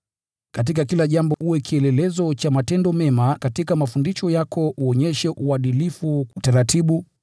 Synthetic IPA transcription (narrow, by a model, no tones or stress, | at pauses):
kat̬ik̬akilaʄambɔhuɛkʰiɛlɛlɛzɔt͡ʃamatɛndɔmɛmakatikamafundiʃɔjakɔuɔɲɛʃɛʔuaɗilifuutaɾatʰiɓu